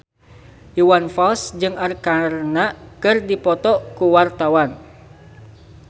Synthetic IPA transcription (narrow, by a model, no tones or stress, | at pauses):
ʔiwanfalsd͡ʒɨŋarkarnakɨrdipɔt̪ɔkuwart̪awan